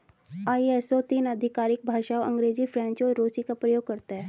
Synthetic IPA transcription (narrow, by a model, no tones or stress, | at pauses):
aːiesot̪iːnəd̪ʱɪkaːɾɪk̚bʱaːʃaːoʔɐ̃ŋɡɾeːd͡ʒipʰɾɛ̃ːɲt͡ʃɔːɾːoːsikapɾəjoːɡ̚kɐɾt̪aɦɛː